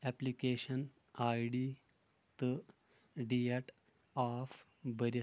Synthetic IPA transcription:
ɛplikeɕən | ajɖi | t̪ə | ɖieʈ | af | bəɾ

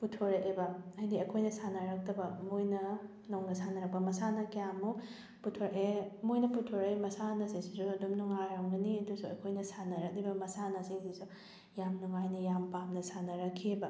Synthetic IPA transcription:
putʰːoɾɐk̚libɐajdiɐkʰojnɐsanɐɾɐk̚tɐbɐmojnɐ | nowŋnɐsanɐɾɐk̚pɐmɐsanɐkijamːu | putʰoɾɐkemojnɐputʰoɾɐjmɐsanɐsiŋsisuɐdumnuŋaɾɐŋɡɐniɐdusuɐ̰kʰojnɐsanɐɾɐk̚libɐmɐsanɐsiŋsisu | jamnuŋajnɐjampamnɐsanɐɾɐkʰːebɐ

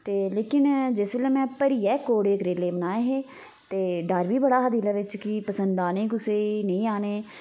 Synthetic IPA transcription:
t̪eːleːkɪnd͡ʒɪsʋeleːmɛ̃ːpəɾiːɛːkoːɽeːkɾeːleːbənaːjeɦeː | t̪eːɖəɾʋiːbəɽaːɦəd̪iːlaːʋɪt͡ʃkɪpəsənd̪aːnẽːkʊseːnəĩːaːneː

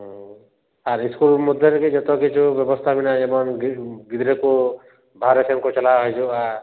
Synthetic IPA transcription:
ɦ | aɾiskulmud̪ʱɔɾked͡ʒɔt̪ɔkit͡ʃʰubjɔbɔst̪ʰabinaɛmɔnɡɡid̪ɾeko | bʱaɾesemkɔt͡ʃɔlaɦɔjd͡ʒua

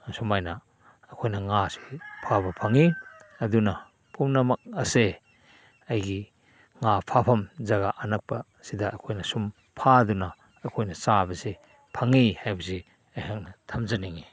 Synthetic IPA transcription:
sumajnɐː | kʰojnɐŋasi̥pʰabɐpʰaŋiɐdunɐ | pʰumnɐmɐk̚ɐse | ɐjɡi | ŋapʰapʰɐmzaɡaʔanɐk̚pɐ | sidaːkʰojnɐsum | pʰadunɐ | ɐkʰojnɐsabɐsi | pʰaŋihajbɐsi | ajhaŋnɐtʰɐmzaniŋi

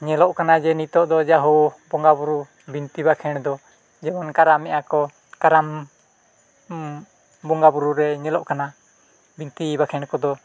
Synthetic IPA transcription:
ɲɛlɔʔkanad͡ʒɛnit̪ɔʔd̪ɔd͡ʒaɦɔbɔŋɡabuɾu | bint̪ibakʰɛɽd̪ɔ | d͡ʒɛmɔnkaɾamɛʔakɔ | kaɾam | bɔŋɡabuɾuɾɛɲɛlɔʔkana | bint̪ibakʰɛɳkɔd̪ɔ

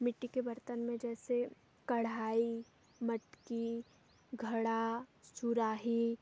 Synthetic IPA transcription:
mɪʈːikebəɾt̪ənmẽd͡ʒɛːse | kɐɽ̤aːi | məʈki | ɡʱɐɽasuɾaːɦi

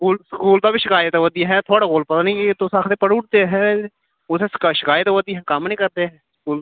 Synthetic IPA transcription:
skuːlskuːlt̪aːbiːʃɪkaːjət̪ːʋəd̪iɦɛ̃ːt̪ʰoːɽaːɡoːlpət̪aːnĩkt̪osaːkʰt̪eːpəɽʊɽt̪eɦɛ̃ | ʊsesɪ̥kaʃɪkaːjət̪ːʋəd̪iɦɛ̃ːkaːmnĩːkəɾt̪eɦɛ̃ːskuːl

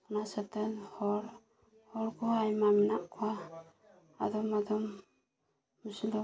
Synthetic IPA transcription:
ɔnasat̪anhɔɾ | hɔɾkɔajmaminaʔkʰuwa̰ː | d̪ɔmad̪ɔm | usilɔ

